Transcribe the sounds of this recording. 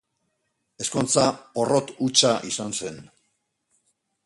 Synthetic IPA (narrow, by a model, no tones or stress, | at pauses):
e̞sko̞nt͡saoro̞t̪ut͡ʃaʔisanse̞n